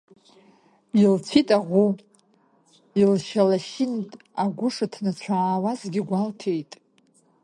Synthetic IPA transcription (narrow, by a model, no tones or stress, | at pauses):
ilt͡sʷʰitʼaʁʷu | ilʃalaʃɪntʼ | aɡʷʊʂatʰnat͡ɕʷʰaaːwazɡʲɪɡʷaltʰejtʼ